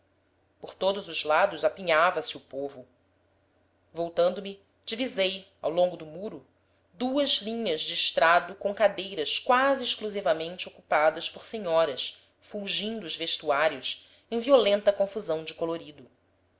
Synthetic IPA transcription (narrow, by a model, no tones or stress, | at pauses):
poɾt̪od̪ʊzʊzlad̪ʊzapiɲavɐsɪupovʊ | vowt̪ɐ̃nd̪ʊmi | d͡ʒivizej | a̰wlõŋɡʊd̪ʊmuɾʊ | d̪uɐzlĩɲɐzd͡ʒɪːʃt̪ɾad̪ʊkõkad̪ejɾɐʃkwaziːʃkluzivɐmẽnt͡ʃɪokupad̪ɐʃpoɾseɲɔɾɐs | fuʒĩnd̪ʊʊzveʃt̪uaɾjʊs | ẽj̃violẽnt̪ɐkõfuzɐ̃w̃d͡ʒɪkoloɾid̪ʊ